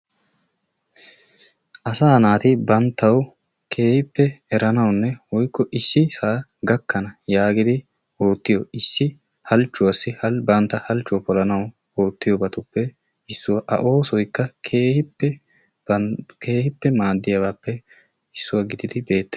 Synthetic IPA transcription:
ʔɐsaːnaːt̪ɪbɐnt̪ːɐw | kʰe̞ːhɪpːɛɛɾɐnɐwnːɛwɔjkːɔʔɪsːɪsaːɡɐkːɐnɐjaːɡɪd̪ɪ | oːt̪ːɪjɔɪsːɪ | hɐlt͡ʃːʊwɐsːɪhɐlbɐnt̪ːɐhɐlt͡ʃːʊwpɔlɐnɐw | o̞ːt̪ːɪjɔbɐt̪ʊpːɛ | ɪsːʊwɐʔɐ̰ʔo̞ːsɔjkːɐkʰeːhɪpːɛ | kʰeːhɪpːɛmaːd̪ːɪjɐwaːpːɛ | ɪsːʊwɐɡɪd̪ɪd̪ɪbe̞ːt̪ːɛ

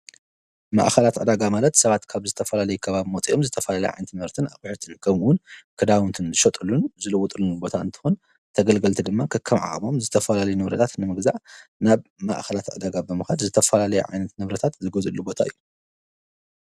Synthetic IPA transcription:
ma̰ʔxɐlat̪ʕɨd̪aɡamalɐt̪sɐβat̪kʰaβzɨt̪ʰɐfɐlalɐjukʰɐβaβimot̪ʼio̞mzɨt̪ʰɐfɐlalɐjʕa̰jnɐt̪mhɐɾt̪ʰɨnakʼɨħot̪ʰɨnkʰɐmwʊnkʰɨd̪awnt̪ʰɨnzɨʃɐt̪ʼɨlunzɨlɨwut̪ʼɨlunubo̞t̪ʰaɨ̰nt̪ʰɨ̥xun | t̪ʰɐɡɐlɡɐlt̪ʰid̪ɨmːakʰɨkʰːɐmʕa̰χʼmo̞mzɨt̪ʰɐfɐlalɐjunɨβɾɐt̪ʰat̪nɨmɨɡzaʕnaβma̰ʔxɐlat̪ʕɨ̰d̪aɡabɨmɨxad̪zɨt̪ʰɐfɐlalɐjṵʕa̰jnɐt̪nɨβɾɐt̪ʰat̪zɨɡɐzɨlːubo̞t̪ʰaɨ̰jːu

